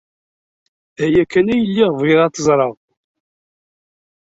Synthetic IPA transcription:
æjækːænæjəlːiʁviðˤɑt̪ːəzˤɾˤɑð

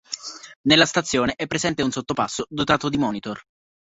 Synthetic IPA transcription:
nelːast̪at̪sːjoːneʔɛpːɾezɛnt̪eunsot̪ːopasːod̪ot̪aːt̪od̪imɔːnit̪or

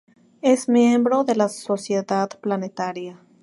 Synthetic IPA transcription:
e̞smje̞mbɾo̞ðe̞laso̞sje̞ðaðplane̞t̪aɾja

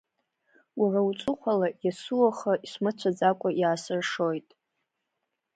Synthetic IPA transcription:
waraut͡sʷʼʊχʷʰalajasuwaχaisʷmɨt͡sʷʰad͡zakʷʼajaːsɨrʂo̞jtʼ

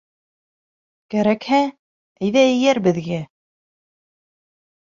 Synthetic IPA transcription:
kæɾækhæ | æjðæɘ̆jæɾbɘ̆ðɡæ

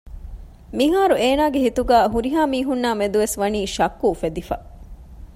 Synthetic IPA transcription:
miɦaːɾueːnaːɡeɦit̪uɡæːɦuɾiɦaːmiːɦunːaːmed̪uʋesʋɐniːʃɐkːuːfed̪ifɐ

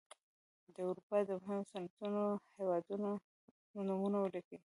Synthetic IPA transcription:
d̪əwɾupɑd̪əmɦanosanat̪unohewɑd̪uno | numunawələki

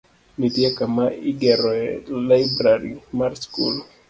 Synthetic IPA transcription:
mitjakamaiɡɛɾɔlajbɾaɾimaɾskṵl

